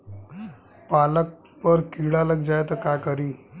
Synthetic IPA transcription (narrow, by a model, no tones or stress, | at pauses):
palək̚ | pəɾkiɭaləɡd͡ʑajt̪əkakəɾiː